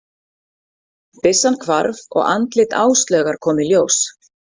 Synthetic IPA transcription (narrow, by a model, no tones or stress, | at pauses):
pɪsːankʰva̰ɾvɔ̰ɣa̰nt̪lɪt̪a̰ːwst̪lœːɣaɾ̥kʰɔːmɪljoːws